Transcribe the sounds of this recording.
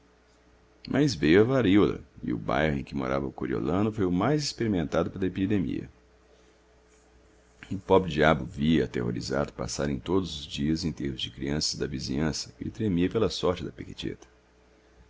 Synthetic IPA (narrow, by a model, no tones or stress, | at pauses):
mʔɐzvejʊɐvaɾiwlɐ̰ɪ̰ʊba̰jhʊẽkɪmo̰ɾavɐʊkoɾio̰lɐ̃nʊfojʊmajzɪspeɾimẽnt̪ad̪ʊpelɐepid̪emḭɐ̰ | ʊpɔbɾɪd͡ʒiabʊviɐat̪ḛho̰ɾiza̰d̪ʊpa̰saɾẽj̃t̪od̪ʊzʊzd͡ʒiɐzẽj̃t̪eɾmʊzd͡ʒɪkɾiɐ̃sɐzd̪ɐvizĩɲɐ̃sɐ̥ɪ̰t̪ɾemiɐpelɐsɔɾt͡ʃɪd̪ɐpekit͡ʃḛt̪ɐ̥